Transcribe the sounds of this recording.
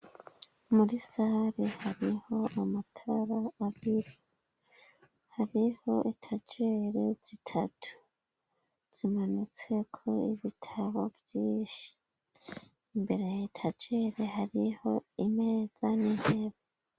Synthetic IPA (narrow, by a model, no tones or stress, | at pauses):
muɾisahaɾihaɾiho̞ʔamatʰaɾaːɾiɾo | haɾiho̞ʔitʰad͡ʒeɾez̥itʰatʰu̥ | z̥imanut͡sekʰo̞iβitʰaβobjiːʃi̥ | mbe̞ɾe̞jitʰad͡ʒeɾehaɾiho̞ime̞ːz̥aniheβa